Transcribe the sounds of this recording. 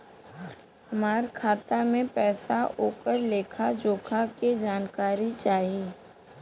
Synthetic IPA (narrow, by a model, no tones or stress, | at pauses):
hɐmaːɾkʰaːt̪amẽpɛːsaoːkəɾleːkʰad͡ʒoːkʰaked͡ʒaːnkaːɾit͡ʃaːɦeː